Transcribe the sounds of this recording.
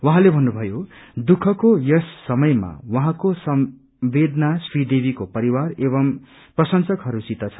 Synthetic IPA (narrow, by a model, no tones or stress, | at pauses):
wʌɦãlebʱʌnːubʱʌjod̪ukʰʌkojʌsːʌmʌjma̰wʌɦãkosʌm | bed̪nasrid̪ebʱikopʌɾiwareβʌm | prʌsʌnsʌkɦʌɾusit̪ʌt͡sʰʌ̥